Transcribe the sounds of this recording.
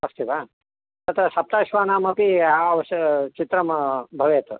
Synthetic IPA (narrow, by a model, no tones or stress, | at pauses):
ɐst̪iʋaː | ɐt̪ɾɐʃɐp̚t̪aːʃʋaːnaːmɐpiaʋʃt͡ʃit̪ɾɐmbʱɐʋeːt̪u